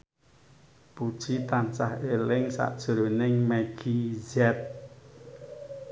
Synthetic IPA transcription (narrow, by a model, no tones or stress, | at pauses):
pud̥ʒ̥it̪ant͡ʃa̰helɪŋsa̰ʔd̥ʒ̥o̤ɾonɪŋmɛɡ̥izɛt̪̚